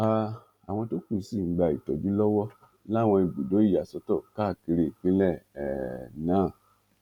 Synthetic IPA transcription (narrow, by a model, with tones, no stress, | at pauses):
a˦˨ | a˨w̃ɔ̃˧to˦kũ˦˨˦si˦˨ŋ̩˦ɡ͡ba˧˨i˨tɔ˨d͡ʒi˨˦lɔ˦wɔ˦ | la˦˨w̃ɔ̃˧i˧˨ɡ͡bu˨do˨˦i˦ja˨sɔ˧˦tɔ˦˨ka˦˨ke˧ɾe˨k͡pĩ˦lɛ˦˨ɛ˨nãː˨˦˨